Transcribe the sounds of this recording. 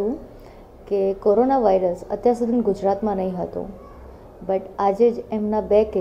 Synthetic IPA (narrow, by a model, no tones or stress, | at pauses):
ũ | kekoɾonaʋaiɾəsə̰t̪jãsud̪ʱinɡʊd͡ʒɾat̪mãnəɦĩɦət̪õ̰ | bəʈad͡ʒed͡ʒemnabek